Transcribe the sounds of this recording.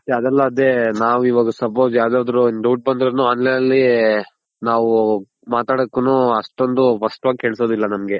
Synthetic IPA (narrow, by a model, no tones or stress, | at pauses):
ɐd̪ɛlːɐːd̪e̞naːʋuiʋaːɡɐsɐp̬oːd͡ʒjaːwd̪aːd̪ɾunɖɐwʈ̚bɐnd̪iɾod̪nuaːnlejnɐlːi | naːʋu | maːt̪aːɽokːunuːɐʂʈo̞nd̪ufɐʂʈʋaːɡike̞ːɭso̞ːd̪ilːɐnɐmɡe̞